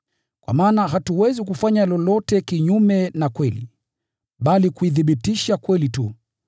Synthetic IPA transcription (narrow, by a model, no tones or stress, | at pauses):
kwa̰maːnaɦatuwɛzikufaɲalɔlɔtɛkiɲumɛnakwɛlḭ | ɓalikuiθiɓitiʃakwɛlitu